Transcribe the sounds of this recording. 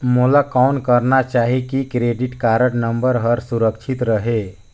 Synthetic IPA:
mulakaunkəɾnat͡ʃaɦikikɾeɖiʈkaɾəʈnəmbəɾɦəɾsuɾək̚t͡ʃʰit̪ɾəɦe

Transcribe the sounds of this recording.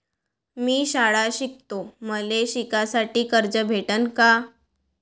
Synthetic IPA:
miːɕaɭaɕik̚t̪oməleɕikasaʈiːkəɾd͡ʑəbʱeʈənka

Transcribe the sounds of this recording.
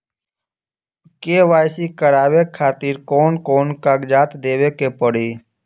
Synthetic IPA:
keːʋaːjsikəɽaːwekʰaːt̪iːɾkɔːnkɔːnkaɡd͡ʒaːt̪d̪eːwekepəɽiː

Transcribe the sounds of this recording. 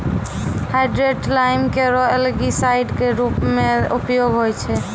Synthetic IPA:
hajɖɾeʈlajmkeɾɔelɡisajɖkeɾupmeupjoɡɦojt͡ʃʰɛ

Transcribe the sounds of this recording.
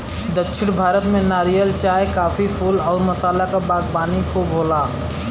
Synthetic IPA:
d̪əkʃʰɪɽ̃bʱaːɾət̪mẽnaːɾijəlt͡ʃaːjkaːpʰipʰuːlɔːɾməsaːlakabaːɡbaːnikubɦoːlaː

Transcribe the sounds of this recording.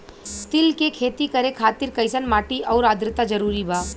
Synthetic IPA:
t̪ɪlkekʰeːt̪ikɐɾekʰaːt̪ɪɾkɐɪsənmaːʈiʔɔːɾaːd̪ɾɪt̪ad͡ʒɐɾuːɾibaː

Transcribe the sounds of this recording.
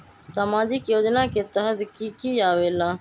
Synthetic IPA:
səmãːd͡ʒɪkjoːd͡ʒnaːket̪əɦəd̪kiːkiːaːʋeːlaː

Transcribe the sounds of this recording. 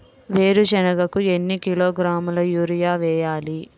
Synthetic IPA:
ʋe̞ːɾud͡ʒɛnɐɡɐkue̞nːikiloːɡɾaːmulɐjuːɾijaːʋɛːjaːli

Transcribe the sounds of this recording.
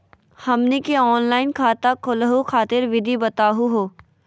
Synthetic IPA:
hɐmnikeɔːnlaːɪnkʰaːt̪akʰʊlɦukʰaːt̪ɪɾʋɪd̪ʱibɐt̪aːɦuɦoː

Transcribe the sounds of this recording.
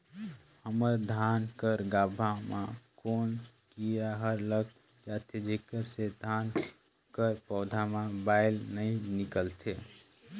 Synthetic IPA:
həməɾd̪ʱankəɾɡabʱamakonkiɾaɦəɾlək̚ | d͡ʒat̪ʰed͡ʒekəɾsed̪ʱan | kəɾpɔʊd̪ʱamãbaɪlnəjnikəlt̪ʰe

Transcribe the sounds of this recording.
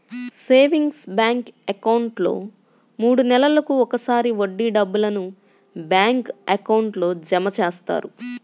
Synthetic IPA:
se̞ːʋiŋɡsbjaːŋkɐkɐwɳʈlo̞̰ː | muːɽunɛlɐlɐkuɔkɐsaːɾiʋoɖːiɖɐbːulɐnu | bjaːŋkɐkɐwɳʈlo̞ːd͡ʒɐmɐt͡ʃeːst̪a̰ːɾu

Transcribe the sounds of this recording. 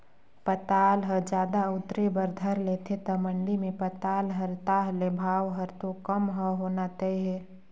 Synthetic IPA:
pət̪aːlɦəd͡ʒaːd̪aʊt̪ɾebəɾd̪ʱəɾleːt̪ʰet̪əməɳɖimẽpət̪aːlɦəɾt̪aːɦlebʱaːwɦəɾt̪okəmɦəɦoːnat̪əiɦɛː

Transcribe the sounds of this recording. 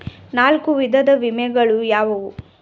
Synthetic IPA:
naːlkuʋid̪ʱɐd̪ɐʋimɛɡɐɭujaːʋɐʋu

